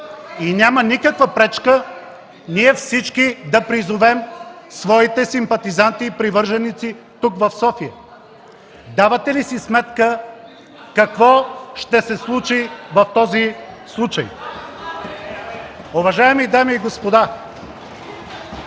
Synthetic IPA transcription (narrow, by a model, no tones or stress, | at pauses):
inʲamənikəkvəpɾɛt͡ʃkə | niɛfsit͡ʃkid̪ɐpɾizʊvɛm | svɔit̪ɛsimpɐt̪izant̪iːpɾivɤɾʒɛnit̪si | t̪ukvɐfsɔfijə | d̪avɐt̪ɛlisismɛt̪kə | kɐkvɔʃt̪ɛsɛslˠut͡ʃivɐft̪ɔzislˠut͡ʃɐ̰j | ʊvɐʒaɛmid̪amiːɡospod̪a